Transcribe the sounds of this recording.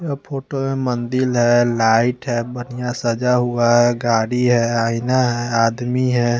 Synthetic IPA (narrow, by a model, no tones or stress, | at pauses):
apʰoːʈomemənd̪ɪlɦɛlaːɪʈɦɛbənijasəd͡ʒaɦuaɦɛɡaːɽiɦɛaːɪnaɦɛaːd̪miɦɛ